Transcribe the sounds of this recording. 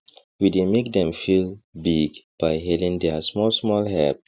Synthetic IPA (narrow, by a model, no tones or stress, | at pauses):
widemek̚dɛ̃mfilbiɡb̥ajɦɛlĩŋdɛsmɔlsmɔlɦɛ̰p̚